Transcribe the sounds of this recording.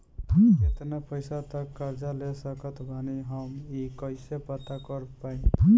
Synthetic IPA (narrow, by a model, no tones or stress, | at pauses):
et̪napəɪsat̪əkːəɾd͡ʒalesəkət̪ʰbʱaniɦəmikəɪsepət̪akəɾpaĩ